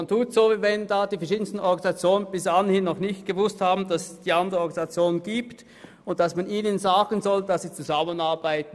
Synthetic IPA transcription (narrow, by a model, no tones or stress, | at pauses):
ntʰuːtsoːviːvɛndaːd̥iːfɛɐʃiːdn̩stn̩ʔɔɡanzat͡sjoːnənbɪsanhɪnːɔχnɪçt̚ɡ̥əvʊsthaːbn̩dasɛsd̥iːʔandəʁəɔɐɡanzat͡sjoːnɡ̥iːpt | ʊnt̚d̥asmaniːnənzaːɡ̥ənzɔld̥asiːt͡suzamənaɐbaɪt̚n̩